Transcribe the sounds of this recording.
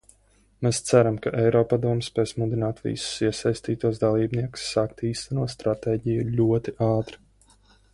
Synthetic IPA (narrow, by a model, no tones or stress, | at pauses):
meːst̪sæɾamkaʔɛjɾɔːpad̪uɔmspɛːsmud̪inaːt̪vʲḭsu̥siɛsajst̪iːt̪uɔsd̪alˠiːbniɛku̥sːaːkt̪iːst̪ænuɔt̪st̪ɾat̪eːɟijulʲuɔt̪iʔaːt̪ɾi